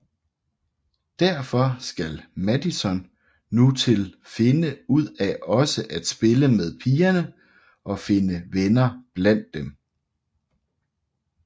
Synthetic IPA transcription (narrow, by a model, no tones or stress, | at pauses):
d̥æɐ̰fɒ̽sɡ̥ælmæd̥isɒnː | ut͡sʰe̝lfe̝nəuð̞̰ˠæɒ̽səʔæd̥sb̥e̝ləmeðˠpʰiːɐnə | ʔɒ̽fe̝nəʋenɐb̥læn̰d̥ːem